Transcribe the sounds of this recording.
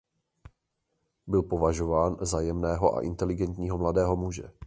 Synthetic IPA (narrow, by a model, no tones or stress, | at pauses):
bɪlpo̞vaʒo̞vaːnzajɛmnɛːɦo̞ʔa̰ʔɪ̰nt̪ɛlɪɡɛnt̪ɲiːɦo̞mladɛːɦo̞muʒɛ̰